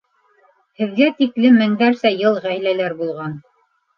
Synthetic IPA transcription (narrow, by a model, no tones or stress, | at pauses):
hɘ̆ðɡæt̪iklɘmːɘ̆ŋd̪æɾsæjɤlˠʁæjlælæɾbulˠʁɑn